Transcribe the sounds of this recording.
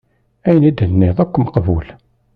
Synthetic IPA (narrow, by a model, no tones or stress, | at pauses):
æjnid̪ənːiðˤækʷːməqbṵl